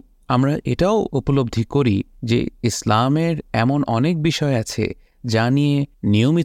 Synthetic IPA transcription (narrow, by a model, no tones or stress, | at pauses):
amɾaʔeʈaoupolob̚d̪ʱikoɾid͡ʑḛislameɾɛmonʔɔnek̚biʃɔeat͡ɕʰḛ | d͡ʑanijeniomi